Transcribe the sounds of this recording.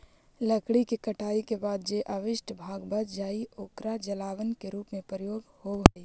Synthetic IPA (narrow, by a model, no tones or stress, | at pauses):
ləkɽikekəʈʰaːikebaːd̪̚d͡ʒeʔaʋɪʃʈʰbʱaːɡbəd̪d͡ʒaːioːkɾad͡ʒəlaːʋənkeɾuːpmẽpəɾɪjoːɡhoɦɛi